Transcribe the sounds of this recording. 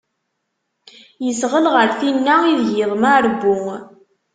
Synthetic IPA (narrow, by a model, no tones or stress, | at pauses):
jəsʁəlʁəɾθinːaiðʝɪðˤmaɾbːʊŋ